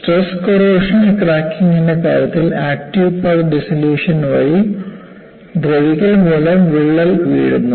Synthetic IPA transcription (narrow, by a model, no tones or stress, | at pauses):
sʈreskoɾoːʂɐnikraːkːiŋinːɐka̰ːɾjɐt̪ːilaːk̚ʈiʋpɐlɖisiljuːʂɐnʋɐji | d̪ɾeʋiɣɐlmuːlɐmʋiɭːɐlʋḭːɽunːu